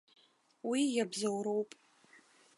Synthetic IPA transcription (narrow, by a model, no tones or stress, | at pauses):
wijabzawɾowpʼ